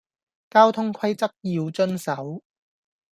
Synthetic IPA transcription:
kaː˥wt̪ʰʊ˥ŋkʰɐ˥jt͡sɐ˥k̚jiː˧wt͡ʃɵ˥nsɐ˨˥w

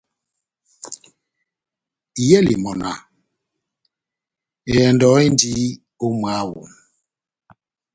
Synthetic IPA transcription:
i˨jɛ˦lḭ˨mɔ˨na̰˨ | e˨ɛ˨ndɔ˨˦i˦ndi˦ | o˦mwa˦wṵ˨

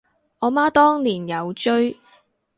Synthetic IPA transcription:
ʔɔː˨˧maː˥t̪ɔː˥ŋliː˨˩njɐ˨˧wt͡ʃɵ˥ɥ

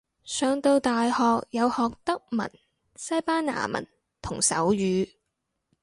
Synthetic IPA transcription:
sœː˨˧ŋt̪o˧wt̪aː˨jhɔː˨k̚jɐ˨˧whɔː˨k̚t̪ɐ˥k̚mɐ̰˨˩n | sɐ˥jpaː˥nna̰ː˨˩mɐ̰˨˩n | t̪ʰʊ˨˩ŋsɐ̰˨˥wjyː˨˧

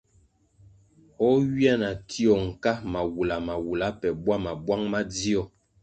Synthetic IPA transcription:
ɔ˦wi˦ɛ˦na˨tʰi˦ɔ˨ŋ̩˨ka˦ma˨wu˨la˨ma˨wu˨la˨˦pɛ˨bwa˦ma˨bwa˦ŋma˦d͡zi˦ɔ˦

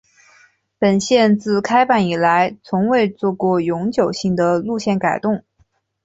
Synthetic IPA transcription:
pə˨˩nɕjɛ˥˧nt͡sɹ̩˥˩kʰa˥ɪpa˥˩ni˨˩la˧˥ɪt͡sʰʊ˧˥ŋwe˥˧ɪt͡swɔ˥˧kwɔ˥˩jʊ˧˥ŋt͡ɕjo˨˩ʊɕi˥˩ŋd̪ə˩lu˥˧ɕjɛ˥˩nka˨˩ɪt̪ʊ˥˩ŋ

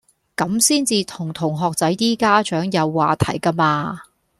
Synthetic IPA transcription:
kɐ˨˥msiː˥nt͡siː˧t̪ʰʊ˨˩ŋt̪ʰʊ˨˩ŋɦɔː˨k̚t͡sɐ˨˥jt̪iː˥kaː˥t͡ʃœː˨˥ŋjɐ˨˧wːaː˨˧t̪ʰɐ̰˨˩jka˥maː˧

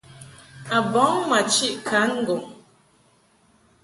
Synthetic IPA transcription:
a˨bɔ˨˦ŋma˨t͡ʃi˦ʔkʰa˨˦ŋ̩˦ɡo˨ŋ

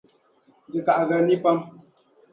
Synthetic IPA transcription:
di˨ka˨ʔɣə˨ni˦pa˦m

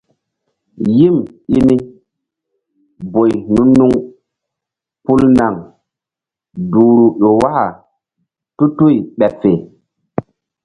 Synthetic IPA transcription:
ji˦mi˦ni˦ | bo˨jnu˦nːu˦ŋ | pu˦lna˨ŋ | duː˨ɾu˨ʔo˨wa˦ha˨ | tu˦tu˦i˨ɓɛ˨pfe˨

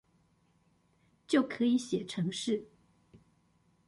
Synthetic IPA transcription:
t͡ɕjo˥˩ʊkʰɤ˧˥i˧˥ɕjɛ˨˩ʈ͡ʂʰɤ˧˥ŋʂɻ̩˥˩

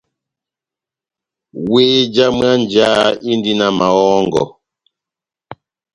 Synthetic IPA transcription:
weː˦d͡ʒa˦m˦a˦nd͡ʒa˦i˦ndi˦na˨ma˨ɔ˦ŋɡɔ̰˨

